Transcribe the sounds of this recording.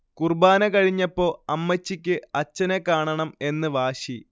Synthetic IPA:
kurbaːnɐkɐɻiɲːɐpːo̞ːɐmːɐt͡ɕːikʲːɨɐt͡ɕːɐnekaːɳɐɳɐme̞nːɨʋaːɕi

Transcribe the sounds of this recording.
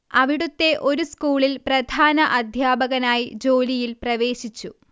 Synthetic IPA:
ɐʋiɽut̪ːe̞ʔo̞ɾuskuːɭilprɐd̪ʱaːnɐʔɐd̪ʱjaːbɐɣɐnaːjid͡ʑo̞ːlijilprɐʋe̞ːɕit͡ɕːu

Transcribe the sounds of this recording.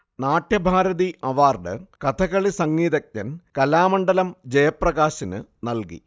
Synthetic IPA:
naːʈjɐbʱaːɾɐðiʔɐʋaːrɖɨ̰kɐt̪ʰɐɣɐɭisɐŋːiːðɐkʲːɐnkɐlaːmɐɳɖɐlɐmd͡ʑɐjɐprɐɣaːɕinɨnɐlkḭ

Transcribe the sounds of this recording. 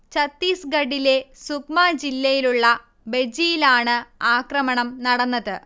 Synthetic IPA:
t͡ɕɐt̪ːiːsɡɐɽile̞sukmaːd͡ʑilːɐjiluɭːɐ | be̞d͡ʑijilaːɳɨaːkrɐmɐɳɐmnɐɽɐnːɐðɨ

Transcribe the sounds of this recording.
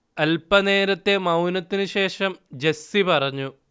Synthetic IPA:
ɐlpɐne̞ːɾɐt̪ːe̞mɐwnɐt̪ːinɨɕe̞ːʂɐmd͡ʑesipɐrɐɲːu

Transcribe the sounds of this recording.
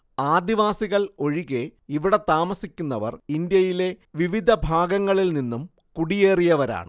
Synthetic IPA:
aːd̪iʋaːsiɣɐɭo̞ɻiɣe̞iʋiɽe̞t̪aːmɐsikʲːunːɐʋɐ̰rind̪jɐjile̞ʋiʋid̪ʱɐbʱaːɡɐŋːɐɭilninːum | kuɽijeːrijɐʋɐɾa̰ːɳɨ̰

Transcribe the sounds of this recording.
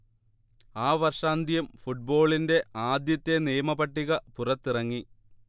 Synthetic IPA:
aːʋɐrʂaːnd̪ʱjɐmfuʈ̚bo̞ːɭinde̞aːd̪jɐt̪ːe̞nijɐmɐbɐʈːiɣɐpurɐt̪ːirɐŋːi

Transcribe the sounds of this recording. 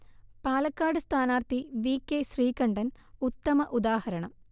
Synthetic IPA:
paːlɐkːaːɽɨst̪ʰaːnaːrt̪iʋiːkːeɕriːkɐɳɖɐn | ut̪ːɐmɐʔud̪aːhɐɾɐɳɐm

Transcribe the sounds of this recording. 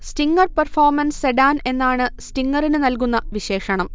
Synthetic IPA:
stiŋɡɐrpɐrfoːrmɐnseɖaːne̞nːaːɳɨstiŋɡɐrinɨnɐlk̬unːɐʋiɕe̞ːʂɐɳɐm

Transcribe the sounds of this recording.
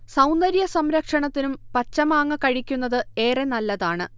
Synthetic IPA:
sɐwnd̪ɐɾjɐsɐmɾɐkʂɐɳɐt̪ːinumpɐt͡ɕːɐmaːŋːɐkɐɻikʲːunːɐðɨe̞ːrenɐlːɐðaːɳɨ

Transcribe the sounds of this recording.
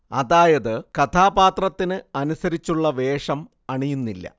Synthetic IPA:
ɐ̰ðaːjɐðɨkɐt̪ʰaːbaːt̪rɐt̪ːinɨɐnusɐɾit͡ɕːuɭːɐʋe̞ːʂɐm | ɐɳijunːilːɐ̰

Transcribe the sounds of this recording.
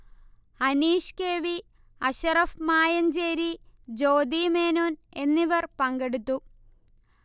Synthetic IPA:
ɐniːʂkeːʋi | ɐɕɐrɐfmaːjɐnd͡ʑeːɾid͡ʑo̞ːd̪imeːnoːne̞nːiʋɐrpɐŋɡe̞ɽut̪ːu

